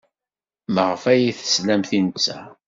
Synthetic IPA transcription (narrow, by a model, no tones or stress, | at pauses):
məʁəfæjiθə̥slæmθinət͡sːæ̰